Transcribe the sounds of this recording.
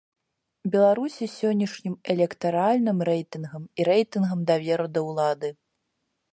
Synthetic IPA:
bʲɛlˠaɾusʲisʲɔnʲːɐʂnʲimɛlʲɛkt̪aɾalʲnɨmɾɛjt̪ɨnɣɐmiɾɛjt̪ɨnɣɐmd̪avʲɛɾɐd̪ɐwlˠad̪ɨ

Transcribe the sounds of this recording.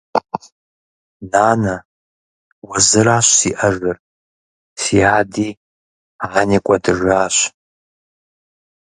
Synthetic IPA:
naːnɐ | wɐzɨɾaːɕsiːʔɐʐɨr | siːaːdiː | aːniːkʷʼɔdɨʒaːɕ

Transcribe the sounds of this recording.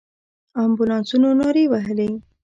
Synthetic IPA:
ɑmbulɑnsunonoɾewaɦəli

